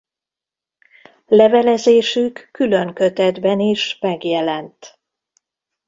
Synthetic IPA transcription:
lɛvɛlɛzeːʃykːyløŋkøt̪ɛd̪bɛniʃmɛɡjɛlɛnt̪

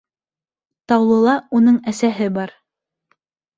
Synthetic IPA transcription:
t̪ɑwlˠɤ̆lˠɑunɤɴæsæɦɘbɑɾ

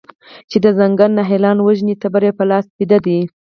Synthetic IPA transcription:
t͡ʃed̪əzaŋɡannaɦelɑnwəʒnit̪abaɾepəlɑspid̪ad̪i

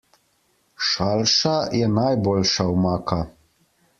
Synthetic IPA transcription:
ʃalʃajɛnajbolʃawmaːkʰa

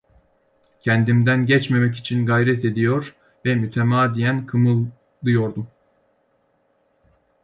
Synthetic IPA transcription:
cʰɛnd̪imd̪ænɟɛt͡ʃme̞mɛc̬it͡ʃʰinɡajɾɛt̪e̞d̪ijoɾ | vɛmyt̪ʰemaːd̪ijænkʰɯmɯlˠ | d̪ˠɯjo̞ɾd̪um

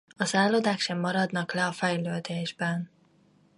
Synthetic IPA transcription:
ɒzaːlod̪aːkʃɛmːɒɾɒd̪nɒklɛɒfɛjløːd̪eːʒbɛn

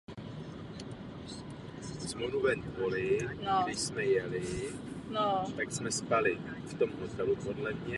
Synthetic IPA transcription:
smonuvɛnpolɪɡdɪʃsmɛjɛlɪ | not̪aksmɛspalɪ | ft̪o̞mɦot̪ɛlupo̞dlɛmɲɛ

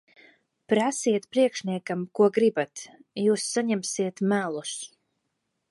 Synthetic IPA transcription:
pɾasiɛt̪pɾiɛkʃnʲiɛkamkuɔɡɾibat̪juːsːaɲɛmsiɛt̪mælˠus

